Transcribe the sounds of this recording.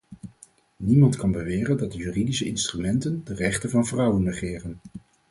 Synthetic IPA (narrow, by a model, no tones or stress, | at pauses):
nimɑntkɑnbəʋɪːrəndɑt̚dəjyːridisəɪnstrymɛntəndərɛχtənvɑnvrʌwənːəχɪːrən